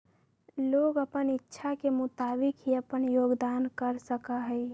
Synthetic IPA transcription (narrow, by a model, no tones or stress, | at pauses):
loːɡəpənɪtːʃʰakemʊt̪aːbɪkɦiəpənjoːɡd̪aːnkəɾsəkaɦɛɪ